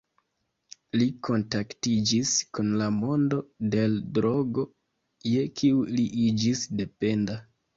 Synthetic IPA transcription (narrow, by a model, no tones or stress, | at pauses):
liko̞ntaktid͡ʒiskunlamo̞ndo̞de̞ldɾo̞ɡo̞ | je̞kʰiuliʔid͡ʒisde̞pe̞nda